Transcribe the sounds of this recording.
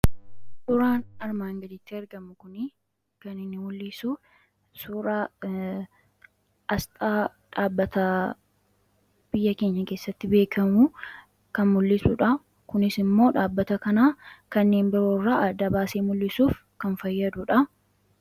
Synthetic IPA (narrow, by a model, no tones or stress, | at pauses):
sʊɾaːnɐɾmaːŋɡɐd̪ɪt̪ːɪɐɾɡɐmʊkʊnɪ | kɐnɪnːɪmʊlːɪsuː | suːɾaː | ɐst̪ʼaː | ᶑaːbːɐt̪ɐ | b̥ɪjːɐke̞ːɲːɐke̞ːsːɐt̪ːɪbe̞ːkʰɐmʊ | kɐnmʊlːɪsʊᶑɐ | kʊnɪsɪmːo̞ːᶑaːbːɐt̪ɐkɐnaːkɐnːe̞ːnbɪɾo̞ːrːaːɐd̪ɐbaːseːmʊlːɪsuːf | kɐnfɐjːɐd̪ʊᶑɐ